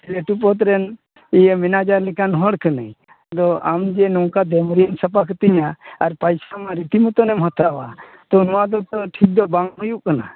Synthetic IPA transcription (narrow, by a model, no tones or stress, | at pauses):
leʈupɔt̪ɾɛn | ijəminad͡ʒaɾlɛkanɦɔɽkʰənə̰j | d̪ɔa̰md͡ʒɛnɔwkad̪ɛmɾinsəpakʰt̪iɲaaɾpajsamaɾit̪imət̪ɔnɛmɦɔt̪ɾawa | t̪ɔnɔwad̪ɔt̪ɔʈʰik̚d̪ɔbaŋɦɔjuʔkana̰